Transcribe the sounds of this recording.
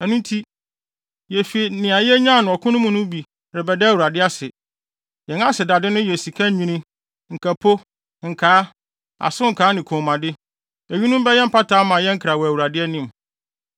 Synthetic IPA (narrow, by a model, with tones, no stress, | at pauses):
ɛ˨nũ˦n˦tʰi˦ | jɛ˨fi˨e˨nɪ̃˨a˨jɛ˦ɲã˦˨nʊ̃˨ɔ˨kʰʊ˦nʊ̃˦mʊ̃˨nʊ̃˦bi˨ | ɾɛ˨bɛ˨dɛ˦˨wu˨ɾa˨dɪ˦a˦sɪ˨ | jɛ̃˨ŋ˦ã˦sɪ˨da˨dɪ˦nʊ̃˦jɛ˨si˨kʰã˦ɲĩ˦nĩ˦ | ŋ̩˨kʰæ˨pʰo˦ | ŋ̩˨kʰaː˨˦ | a̰˨sʊ̃˦ŋ̩˨kʰaː˨˦nɪ̃˨kʰɔ̃˨mã˨dɪ˦ | æ˨ɥi˦nʊ̃˦m˦bɛ˦jɛ̃˦m̩˦pʰa˦tʰaː˦mã˨jɛ̃˦ŋ̩˦kʰɾa˨wɔ˨æ˨wu˨ɾa˨dɪ˦ɛ˦nĩ˦˨m